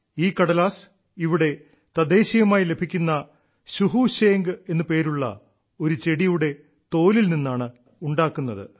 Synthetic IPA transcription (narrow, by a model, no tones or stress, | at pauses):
iːkːɐɽɐlaːs | iʋiɽe̞ | t̪ɐd̪e̞ːɕijɐmaːjile̞bʱikʲːunːɐ | ɕuɦuɕeːŋɡɨe̞nːɨpe̞ːɾuɭːɐ̰ | o̞ɾut͡ɕe̞ɽijuɽe̞ | t̪o̞ːlilninːaːɳɨ | uɳɖaːkːunːɐðɨ̰